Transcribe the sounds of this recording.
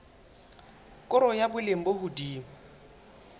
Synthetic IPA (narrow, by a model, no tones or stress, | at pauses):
kʼʊɾɔjabʊleŋ̩bohʊdiːmʊ